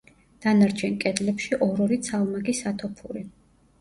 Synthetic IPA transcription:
d̪̥anaɾt͡ʃʰɛnkʼɛd̪lɛpʃiʔɔɾɔɾit̪sʰalˠmaɡisat̪ʰɔpʰuɾi

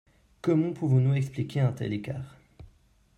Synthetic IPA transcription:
kɔmɑ̃puvɔ̃nuɛksplikʲeɛ̃t̪ɛ̰leka̰ːʁ

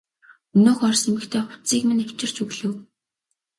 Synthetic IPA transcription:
ɵnoːxɔrsemɘ̆kt̪ʰeːt͡sikmɘ̆næw̥t͡ɕɪ̆r̥t͡ɕɵɣɮɘ̆w

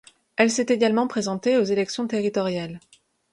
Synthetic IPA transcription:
ɛlsɛt̪eɡalmɑ̃pχezɑ̃t̪eozelɛksjɔ̃t̪eʁit̪ɔʁjal

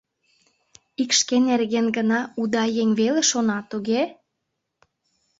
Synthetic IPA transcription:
ikʃkenerɣenɡə̆nɑud̪ɑjeŋʲβeleʃonɑt̪uɣe

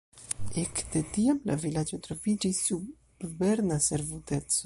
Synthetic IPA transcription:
ekd̪et̪iamla̰vilad͡ʒet̪ɾofid͡ʒisu | bvɛɾnaseɾvut̪et͡s

